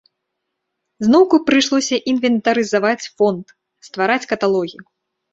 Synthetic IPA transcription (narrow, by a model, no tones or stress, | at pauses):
znɔwkupɾɨʂlˠɔsʲɐʔinvʲɛnt̪ɐɾɨzavat͡sʲfɔnt̪ | st̪vaɾat͡sʲkɐt̪alˠɔɣʲiju